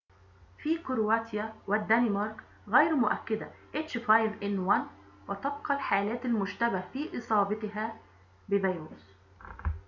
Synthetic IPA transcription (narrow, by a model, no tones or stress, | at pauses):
fiːkʊɾwaːt̪jawɪd̪ːænɪmɑɾˤk | ɣæjɾmʊʔæ̰kːɪd̪aʔet͡ʃfajvʔɪnwan | wɪt̪ɑbqɑlħaːlæːt̪almʊʒt̪æbahfiːʔɨsˤɑːbɑt̪ɪɦæː | bɪvæjɾuːs